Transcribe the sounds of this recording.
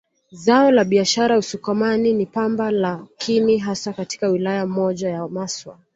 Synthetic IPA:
zaɔlaɓiaʃaɾausukɔmaninipambalakʰiniɦasakati̥kawilajamɔʄajamaswa̰

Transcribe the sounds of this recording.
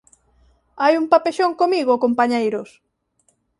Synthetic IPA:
ajumpapeʃoŋkomiɣokompaɲejɾʊs

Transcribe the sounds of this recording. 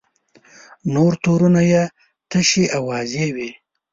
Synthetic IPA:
noɾt̪oɾunaje | t̪əʃiʔawɑzewi

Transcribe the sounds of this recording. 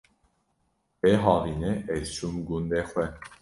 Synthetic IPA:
eɦɑvineʔesumɡund̪exwɛ

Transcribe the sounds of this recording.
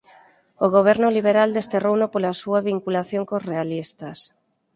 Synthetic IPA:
oɣ̞oβ̞ɛɾnʊliβ̞eɾald̪est̪erownopolasuaβiŋkulaθjoŋkosrealist̪as

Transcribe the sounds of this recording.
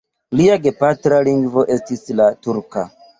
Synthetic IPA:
liaɡe̞patɾaliŋɡvo̞ʔe̞stislatuɾka̰

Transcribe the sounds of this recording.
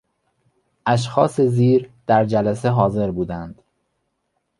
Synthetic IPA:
ʔæʃ̬xɒ̰ːseziːɾd̪̥æɾd͡ʒælæseɦɒːze̞ɾbuːd̪ænd̪̥

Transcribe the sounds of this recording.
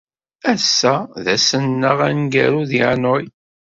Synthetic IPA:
æsːæðæsənːəʁænɡæɾuðiʕnoj

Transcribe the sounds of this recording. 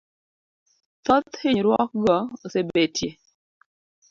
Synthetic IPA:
t̪ɔt̪hɪɲɾwɔk̚ɡɔosebetʰje

